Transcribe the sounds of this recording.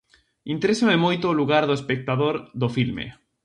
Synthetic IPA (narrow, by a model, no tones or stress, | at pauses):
int̪eɾesamemojt̪oːluɣaɾðoespek̚t̪aðoɾðofilmḛ